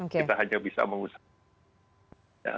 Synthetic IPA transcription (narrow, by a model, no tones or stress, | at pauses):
okeit̪aɦaɲabisa̰məŋus | ja̰